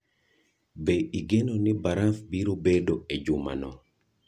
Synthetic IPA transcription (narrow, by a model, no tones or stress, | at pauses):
beʔiɡenonɪbaɾafbiɾobedoed͡ʒʊma̰nɔ̰